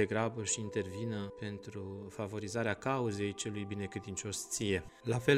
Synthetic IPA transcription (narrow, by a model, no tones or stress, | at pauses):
eɡɾabəʃiːnt̪e̞rvinəpe̞nt̪ɾufavo̞ɾizaɾeakauze̞jt͡ʃe̞lujbine̞kɾe̞d̪int͡ʃo̞st̪sije̞ | lafe̞